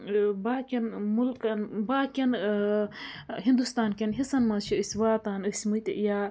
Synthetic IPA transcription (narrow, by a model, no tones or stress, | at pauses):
baːkʲɐnmulkɐnbaːkʲɐn | ɦind̪ust̪aːnkʲɐnɦisɐnmɐt͡ʃʰiɨsʲwaːt̪aːnəsʲmɨt̪jaː